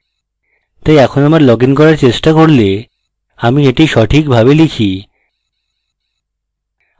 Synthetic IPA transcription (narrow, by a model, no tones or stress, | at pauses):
t̪ajɛkʰonamaɾlɔɡinkɔɾaɾt͡ɕeʃʈakoɾle | amieʈiʃɔʈʰikbʱabelikʰi